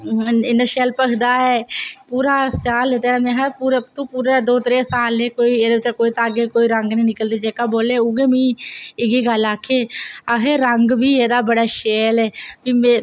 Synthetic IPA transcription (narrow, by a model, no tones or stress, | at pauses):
ɪnəʃeːlpəkʰd̪aːɦɛːpuːɾaːsaːlet̪eːamɛ̃ːɦəpuːɾt̪uːpuːɾad̪oːt̪əɾẽːsaːleːkoːiːeːd̪eːbt͡ʃakoːiːt̪aːɡeːkoːiːɾəŋɡneiːnɪkəld̪eːd͡ʒeːkaːboːleːʊɡeːmĩːɪɡiːɡəlaːkʰːeːəɦeːɾəŋɡbiːeːd̪aːbəɽaːʃeːlɛːbiːmẽ